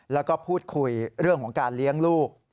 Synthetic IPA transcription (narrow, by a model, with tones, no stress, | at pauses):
lɛː˦˥wkɔː˥˩pʰuː˥˩t̪̚kʰu˧jɾɯ˥˩əŋkʰɔː˩˦ŋkaː˧nli˦˥əŋluː˥˩k̚